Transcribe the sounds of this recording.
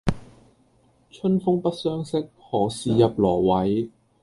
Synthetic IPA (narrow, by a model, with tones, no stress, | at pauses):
t͡ʃʰɵ˥nfʊ˥ŋpɐ˥t̚sœː˥ŋsɪ˥k̚hɔː˨˩siː˨jɐ˨p̚lɔː˨˩wɐ˨˦j